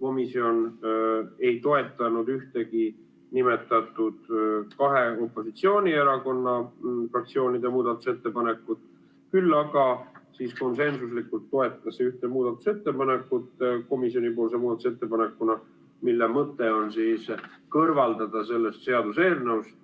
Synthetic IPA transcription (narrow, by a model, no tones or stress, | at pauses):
ko̞misio̞n | e̞jt̪o̞e̞t̪ːˑɑnud̪yht̪e̞ɡi | nime̞t̪ːˑɑt̪ˑud̪̥kɑɦe̞o̞pːˑo̞sit̪sio̞ːnʲieɾɑko̞nːɑfrɑkt̪sio̞ːnid̪e̞muːd̪̥ɑt̪ːˑu̥se̞t̪ːe̞pɑne̞kːˑut̪ | kylːɑɡɑsiːsko̞nse̞nsuslikult̪ːo̞e̞t̪ːˑɑseyht̪emuːd̪ɑt̪ːˑu̥se̞t̪ːe̞pɑne̞kːˑut̪ko̞misio̞nipo̞ːls̬emuːd̪ɑt̪uset̪ːe̞pɑne̞kːunɑ | milːemɤt̪ːe̞o̞nsiːskɤrvɑld̪ɑd̪̥ɑse̞lːe̞st̪se̞ɑd̪use̞ːrne̞wst̪